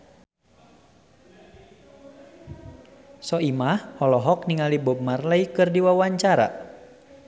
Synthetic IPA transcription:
sɔimahhɔlɔɦɔk̚niŋalibɔb̚marlaikɨrdiwawaɲt͡ʃaɾa̰

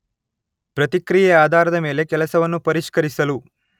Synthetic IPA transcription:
pɾɐt̪ikɾijɛaːd̪ʱaːɾɐd̪ɐme̞ːle̞kɛlɐsɐʋɐnːupɐɾiʃkɐɾisɐlu

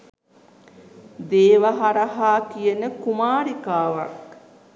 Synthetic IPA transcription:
d̪eːʋaɦaɾɐɦaːkijənəkumaːɾikaːʋɐ̰k̚

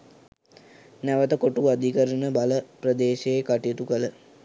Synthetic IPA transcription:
næʋət̪əkoʈuad̪ʱikəɾənəbaləprəd̪eːʃeːkaʈiet̪ukələ

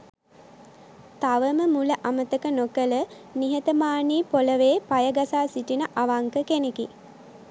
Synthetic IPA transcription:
t̪aʋəməmuləʔamət̪əkənokələ | niɦət̪əmaːniːpoləʋeːpajəɡasaːsiʈinəʔaʋaŋkəkeneki

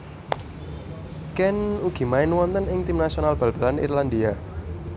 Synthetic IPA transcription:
kɛnuɡ̥i̤maɪnwɔnt̪ənɪŋt̪ɪmnasionalb̥a̤lb̥a̤lanḭrland̪ia

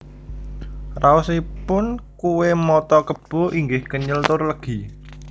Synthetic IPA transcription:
rausipʊnkuwemɔt̪ɔkəb̥ɔ̤ʔiŋɡɪhkəɲəlt̪ʊrləɡ̥i̤

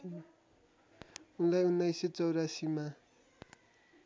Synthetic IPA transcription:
unlajunːajset͡sʌwɾasima

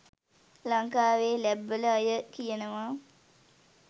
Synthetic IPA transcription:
laŋkaːʋeːlæbːələajəkijənəʋa

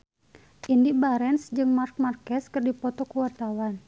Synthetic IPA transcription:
ʔindibaɾɛnsd͡ʒɨŋmark̚markɛskɨrdipɔt̪ɔkuwat̪awan

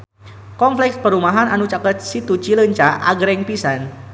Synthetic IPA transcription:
kɔnflɛk̚s̚pəɾumaɦananut͡ʃakət̪̚sit̪ut͡ʃiləɲt͡ʃaʔa̰ɡɾɛŋpisan

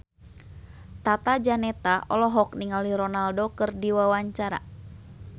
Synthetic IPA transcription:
t̪at̪ad͡ʒanɛt̪aʔɔlɔɦɔk̚niŋaliɾɔnaldokɨrdiwawaɲt͡ʃaɾa̰

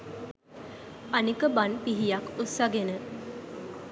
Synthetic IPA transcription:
anikəbanpiɦijakusaɡenə

